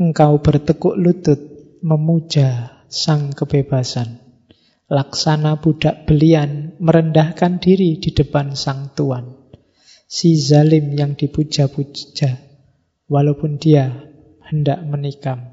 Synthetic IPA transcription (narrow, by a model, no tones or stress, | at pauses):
əŋkawb̥ərt̪əkʊʔlut̪ʊt̪̚ | məmud̥ʒ̥a | saŋkəb̥eb̥asan | laksanab̥ud̥a̤ʔb̥əlianməɾəndahkandiɾid̥i̤d̥əpansaŋt̪uan | sizalɪmjaŋd̪̥ipud̥ʒ̥a̤pud͡ʒ̥a | walapʊnd̥ia | həndaʔmənikam